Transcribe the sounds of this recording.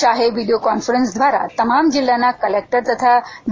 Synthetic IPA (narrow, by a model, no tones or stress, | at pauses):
aɦeʋiɖijokɔnfəɾensd̪ʱʋaɾa̰t̪əmamd͡ʑilːjanːakəlek̚ʈəɾt̪ət̪ʰaʋ